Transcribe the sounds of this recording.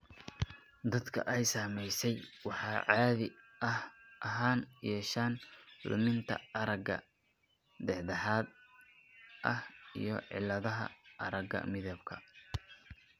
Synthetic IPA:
d̪ɐd̪kʰɐ̰ʔɛjsaːmɛjsɛjwɑħɑːʕɑːðɪ | ɐhʔɐɦaːnijɛːʃaːnlʊ̰mɪnt̪ʰɐ̰ɐɾɐɡɐ̰ | d̪ɛʕd̪ɐħɑːd̪ | ʔɐhḭjɞʕɪ̰lːɐðɐɦɐ̰ɐ̰ɾɐɡɐ̰mɪðɐb̚kʰɐ

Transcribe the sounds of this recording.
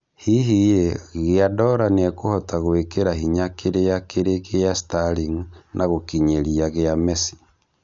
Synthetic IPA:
hiɦijeɣeadɔɾaneɛkohɔtaɣwekeɾaɦiɲakeɾejakeɾekejastaliŋnʔaɣokiɲeɾiaɣeamɛsi̥

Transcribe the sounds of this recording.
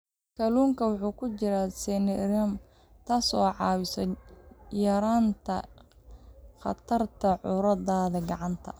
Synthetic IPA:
kʰɐluːŋkʰɐwɑħuːkʰʊt͡ʃɪɾasɛnɛɾɐm | t̪ʰaːsɔːʕɑːwɪsɔjɐɾaːnt̪ʰɐ̰ | χɑ̰t̪ʰɐrt̪ʰɐʕʊɾɐðaːðɐɡɑʕɑnt̪ʰɐ̰

